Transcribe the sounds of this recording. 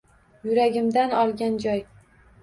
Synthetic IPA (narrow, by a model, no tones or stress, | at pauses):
jʊɾaɡʲɪmd̪anɒlˠɡʲand͡ʒɒj